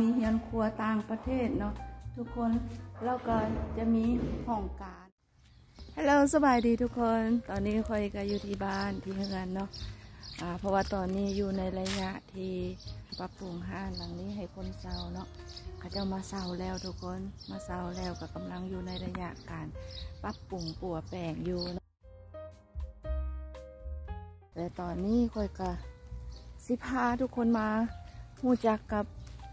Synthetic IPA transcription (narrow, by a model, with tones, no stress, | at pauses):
miː˧˥hi˧˥ənkʰu˧ət̪aː˧˩ŋpa˧t̪ʰeː˧˩t̪̚nɔ˧ʔt̪ʰu˧kʰːo˧˥˨nlɛː˧˥˩wka˧˩t͡ɕa˧miː˧˥˨kʰɔː˧˩ŋkaː˨n | ha˧jloː˧˩wsa˧baː˨˩jdiː˨t̪ʰu˧kʰːo˧˥˨nt̪ɔː˨˩nːiː˧˥˨kʰɔ˧˩jka˧˩juː˧t̪ʰiː˧˩baː˧˩˨nt̪ʰiː˧hɯ˧˨ənːɔ˧˥˨ʔʔaː˨˩pʰɔ˧waː˧t̪ɔː˨˩nːiː˧˥˨juː˧na˧˥˨jla˧ɲa˧ʔt̪ʰiː˧pa˧pːu˨˩˨ŋɦaː˧˥˩nla˨ŋniː˧˥˨ɦa˧˨˩jkʰo˧˥˨nsa˧˩wnɔ˧ʔkʰa˧˩t͡ɕa˧˩wmaː˧˨sa˧˩wlɛː˧˩˨wt̪ʰu˧kʰo˧˥˨nmaː˧˥˨sa˧˩wlɛː˧˩wka˧˩ka˨mla˧˥˨ŋjuː˧˩na˧˥˨jla˧ɲa̰˧ʔkaː˨npa˧˥pːu˨˩ŋpu˨˩ɐpɛː˨˩ŋjuː˧nɔ˧ʔ | t̪ɛː˧˩t̪ɔː˨˩nːiː˧˥˨kʰɔ˧˩jka˧˩ | si˧˦pʰaː˧˩˨t̪ʰu˧kʰːo˧˥˨nmaː˧huː˧˩˨t͡ɕa˧˦˥kːa˧p̚